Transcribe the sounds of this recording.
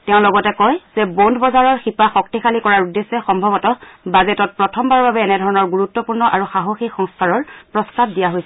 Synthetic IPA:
tɛʊ̃lɔɡɔtɛkɔjz̥ɛbondʱbɔzaɹɔɹxipaxɔktixʰalikɔɹaɹudesːɛxɔmbʱɔbɔtɔbazɛtɔt̚pɹɔtʰɔmbaɹbabɛːnɛdʱɔɹɔnɔɹɡuɹutːɔpuɹnɔʔaɹuxaɦoxikxɔŋskʰaɹɔɹpɹɔstab̚dijaɦojsɛ

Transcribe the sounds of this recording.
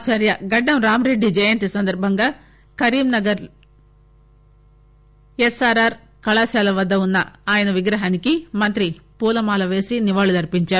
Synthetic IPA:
t͡ʃaːɾjɐɡɐɖːɐmɾaːmɾe̞ɖːid͡ʒɐjɐnt̪isɐnd̪ɐɾbʱɐŋɡaː | kɐɾiːmnɐɡɐɾ | esaːɾaːɾ | kɐɭaːsaːlɐʋɐd̪ːɐunːɐaːjɐnɐʋiɡɾɐɦaːnikimɐnt̪ɾipuːlɐmaːlɐʋe̞ːsiniʋaːɭulɐɾipiɲt͡ʃaːɾu

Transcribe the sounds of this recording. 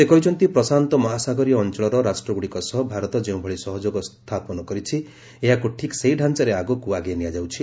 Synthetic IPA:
t̪ekɔjd͡ʒʰɔnt̪ipɾɔsant̪ɔmɔɦasaɡɔɾiːnt͡ʃɔɭɔɾɔɾasʈɾɔɡuɽikɔsɔɦbʱaɾɔt̪ɔd͡ʒeũbʱɔɭisɔɦɔd͡ʒoɡɔst̪ʰapɔnɔkɔɾit͡ʃʰi | eɦakuʈʰiksejɖʱant͡ʃɔɾeaɡɔkuaɡenijad͡ʒawt͡ʃʰi

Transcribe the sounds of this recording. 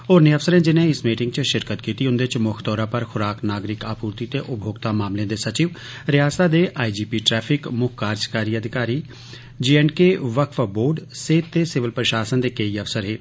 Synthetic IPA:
oːɾnẽːəfsəɾẽːd͡ʒɪnẽːɪsmiːʈɪŋɡt͡ʃəʃɪɾkət̪kiːt̪iːɦʊnd̪eːt͡ʃmʊkʰt̪ɔːɾãːpəɾxʰʊɾaːknaːɡɾɪkaːpuːɾt̪iːt̪eːʔʊbʱoːɡt̪aːmaːmlẽːd̪eːsət͡ʃiːʋ | ɾɪjaːsaːd̪eːʔaːid͡ʒiːpiːʈɾɛːpʰɪkmʊkʰkaːɾd͡ʒkaːɾiːəd̪ʱɪkaːɾiː | d͡ʒiːɛɳɖkeːʋəkʰfboːɖseːt̪t̪ːeːsɪʋəlpɾəʃaːsənd̪eːkeiːəfsəɾɦeː

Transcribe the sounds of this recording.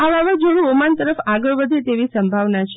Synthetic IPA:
aʋaʋad͡ʒoɽ̃ũomant̪əɾəfaɡəɭʋəd̪ʱet̪eʋisəmbʱaʋnat͡ʃʰe

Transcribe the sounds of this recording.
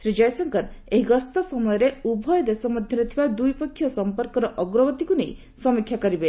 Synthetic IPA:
sɾid͡ʒɔjsɔŋkɔɾeɦiɡɔst̪ɔsɔmɔjɔɾeubʱɔjɔd̪esɔmɔd̪ʱjɔnɔt̪ʰibad̪ujpɔkʰːjɔsɔmpɔɾkɔɾɔʔɔɡɾɔbɔt̪ikunej | sɔmikʰːjakɔɾibe

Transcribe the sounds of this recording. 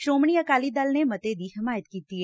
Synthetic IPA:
ʃɾoːmɳ̃iəkaːlid̪aːlnemɐt̪ed̪iɦɪmaːjət̪kiːt̪iɛ

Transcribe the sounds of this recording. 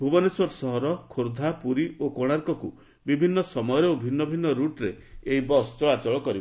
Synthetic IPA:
bʱubɔnesɔɾsɔɦɔɾɔkʰoɾd̪ʱapuɾiokoɽ̃aɾkɔkṵ | bibʱinːɔsɔmɔjɔɾeobʱinːɔbʱinːɔɾuʈɾeeɦibɔst͡ʃɔɭat͡ʃɔɭɔkɔɾi

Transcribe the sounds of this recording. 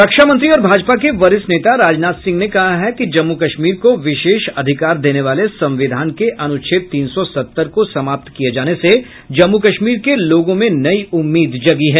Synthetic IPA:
ɾɐkʃamɐ̃nt̪ɾiɔːɾbʱaːd͡ʒpakeʋɐɾɪsneːt̪aɾaːd͡ʒnaːt̪sɪ̃ŋɡnekɐɦaɦɛkid͡ʒɐmːukɐʃmiːɾkoʋɪʃeːʃɐd̪ʱɪkaːɾd̪eːneʋaːlesɐ̃mʋɪd̪ʱaːnkeʔɐnʊt͡ʃʰɪt̪̚t̪iːnsɔsɐt̪ːəɾkosɐmaːp̚t̪kijed͡ʒaːnese | d͡ʒɐmːukɐʃmiːɾkeloːɡõmẽnɐiʊmːiːd̪d͡ʒɐɡiɦɛː

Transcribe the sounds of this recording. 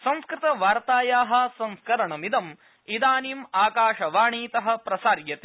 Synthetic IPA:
sɐ̃nskɾɪt̪ɐʋaːɾt̪aːjaːɦɐ̆sɐ̃nskɐɾɐɳɐmid̪ɐm | id̪aːniːmaːkaːʃɐʋaːɳiːt̪ɐɦɐ̆pɾɐsaːɾjɐt̪i̥

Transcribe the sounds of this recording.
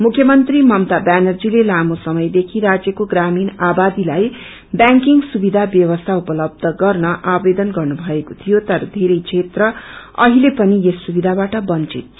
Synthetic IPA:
mukʰːjʌmʌnt̪rimʌmt̪abanʌrd͡zilelamosʌmʌjd̪ekʰiɾad͡zjʌkoɡraminabad̪ilaj | bjaŋkiŋɡsubid̪ʱabjʌwʌst̪ʰaupʌlʌb̚d̪ʱʌɡʌrnʌʔabed̪ʌnɡʌrnubʱʌekot̪ʰijot̪ʌɾʌd̪ʱeɾʌjt͡sʰet̪rʌʌɦilepʌniesːubid̪ʱabaʈʌbʌnt͡sit̪̚

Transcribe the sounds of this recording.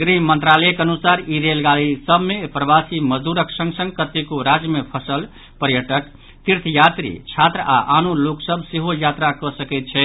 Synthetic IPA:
ɡɾimənt̪ɾaləjkənusaɾiɾelɡalisəbʱmepɾəbasiməd͡ʒd̪uɾəksə̃ŋɡsə̃ŋɡkət̪ːikoɾad͡ʒjəmepʰəsəl | pəɾjəʈək | t̪iɾt̪ʰjat̪ɾḭt͡ʃʰat̪ɾəaʔanuloksəbʱseɦojat̪ɾakɔsəkɛt̪̚t͡ʃʰɛ

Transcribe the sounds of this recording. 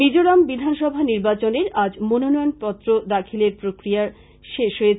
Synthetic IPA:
id͡ʑoɾambid̪ʱanʃɔbʱaniɾbat͡ɕoneɾad͡ʑmononɔjonpɔt̪ːɾod̪akʰileɾpɾokɾijaɾ | ʃeʃɦoje

